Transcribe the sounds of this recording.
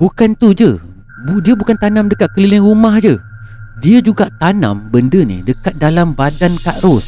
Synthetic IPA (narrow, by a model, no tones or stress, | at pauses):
bukant̪ud͡ʒə | budiəbukant̪anãmdəkat̪̚kəlilɪŋɾumahd͡ʒədiəd͡ʒuɡaʔt̪anã̰mbəndənḭdəkat̪̚dalambadankaʔɾʊs